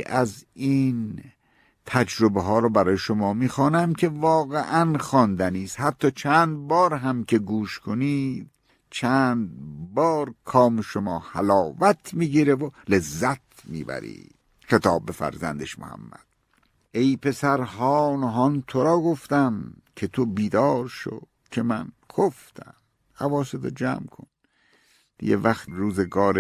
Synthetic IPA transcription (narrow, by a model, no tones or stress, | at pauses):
ʔæziːn | t̪ʰæd͡ʒɾobeɦɒːɾɔːbæɾɒːjeʃomɒːmiːxɒːnæmkʰe̞vɒːɣeʔænxɒːnd̪æniːshæt̪ʰːɒːt͡ʃʰæːnd̪̚bɒːɾɦæmkʲʰe̞ɡuːʃkʰoniːd̪̥ | t͡ʃʰænd̪bɒːɾkʰɒːmeʃomɒːhælɒːvæt̪ʰmiːɡiːɾevole̞zːæt̪ | miːbæ̰ɾḭː | xe̞t̪ʰɒːbːe̞fæ̰ɾzænd̪eʃmo̰hæ̰mːæ̰d̪̥ | ʔe̞jpe̞sæɾɦɒːnɦɒnt̪ʰoɾɒːɡoft̪æmkʰet̪ʰobiːd̪ɒːɾʃo̰̥ | kʰemæn | ɡʰoft̪ʰæ̰m | hævɒːset̪ʰo̰d͡ʒæ̰ːmkʰo̰n | d̪̥ḭjevæxt̪ɾuːzeɡɒːɾe